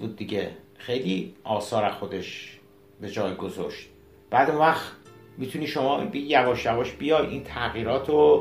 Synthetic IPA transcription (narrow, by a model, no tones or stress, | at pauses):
buːd̪̚ːiɟe | xejliʔɒːsɒːɾæxod̪e̞ʃ | be̞d͡ʒɒːjɡo̞zo̰ʃt̪ | b̥æːd̪unvæxt̪ | mit̪ʰuniːʃomɒːbejævɒːʃjævɒʃbijɒːjʔint̪ʰæɣiːɾɒːt̪ʰo